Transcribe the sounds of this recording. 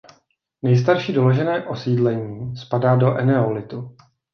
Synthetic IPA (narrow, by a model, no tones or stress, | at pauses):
nɛjs̬t̪aɾʃiːdo̞lo̞ʒɛnɛːʔo̞siːdlɛɲiːspadaːdo̞ʔɛnɛolɪt̪u